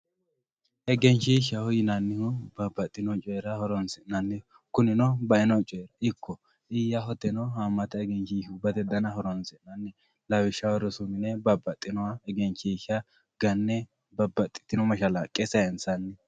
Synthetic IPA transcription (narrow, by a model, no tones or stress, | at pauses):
ʔɛɡɛnt͡ʃiʃɐhɔjɪnɐnːɪhʊbɐbɐt̪ʼːɪnɔt͡ʃʼɔɛɾɐhɔɾɔnsɪnɐnːɛ | kʊnɪnɔbɐɛnɔt͡ʃʼɔjɛɾɐɪkːɔ | ʔɪjːaɦɔt̪ːɛnɔhamːɐt̪ɐɛɡɛnt͡ʃiubɐt̪ɛd̪ɐnɐɦɔɾɔnsɪnɐnːɛ | lɐwɪʃːɐwɔɾɔsʊmɪnɛbɐbːɐt̪ʼːɪnɔwaɛɡɛnt͡ʃːiʃɐ | ɡ̥ɐnːɛ | bɐbɐt̪ʼːɪ̥t̪ːɪnɔmɐʃɐlakʼɛsɐɛnsɐnːɛ